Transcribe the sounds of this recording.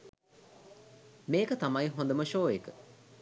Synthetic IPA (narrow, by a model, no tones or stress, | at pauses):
meːkət̪ɐmaiɦõnd̪əməʃoːekə